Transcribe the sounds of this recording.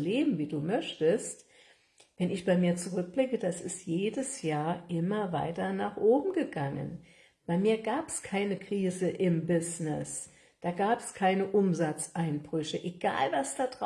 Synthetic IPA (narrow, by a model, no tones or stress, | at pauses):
leːbm̩viːduːmœçtəst | vɛnɪçb̥aɪmiːɐt͡suʁʏk̚b̥lɪkəd̥asɪstjeːdəsjaːɐʔɪmɐva̰ɪtɐnaːχʔoːbm̩ɡəɡaŋə̰n | b̥aɪmiːɐɡaːpɛskʰaɪnəkʁ̥iːzəʔɪmbɪznɪs | d̥aːɡaːpɛskʰaɪnəʔʊmzat͡sʔaɪnb̥ʁʏçəʔeɡ̥a̰ːlvasd̥aːdʁa